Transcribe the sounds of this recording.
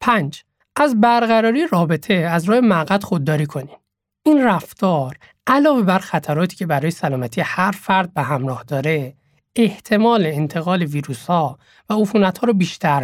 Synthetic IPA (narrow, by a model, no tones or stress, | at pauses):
pʰænd͡ʒ | ʔæzbæɾɣæɾɒːɾijeɾɒːbe̞t̪ʰe̞æzɾɒːhemæɣæt̪xod̪ːɒːɾiːkʰo̞nim | inræft̪ɒːɾ | ʔælɒːve̞bæɾxæt̪ʰæɾɒːt̪ʰi̥ːcʰebæɾɒːjesælɒːmæt̪ʰiːehæɾfæɾd̪̚beɦæmɾɒːhd̪ɒːɾe̞ | eht̪ʰe̞mɒːleːnt̪ʰe̞ɣɒːleviːɾuːshɒː | væofuːnæt̪hɒːɾɔbiːʃt̪ʰæɾ